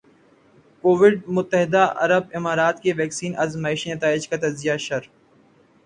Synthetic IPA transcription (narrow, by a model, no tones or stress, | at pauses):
koːʋɪɖmʊt̪ːəɦɪd̪aʔɐ̰ɾəbɪmaːɾaːt̪keʋɛːksiːnʔɐzmaːɪʃinɐt̪aːɪd͡ʒkat̪ɐzɪjaʃɐɾ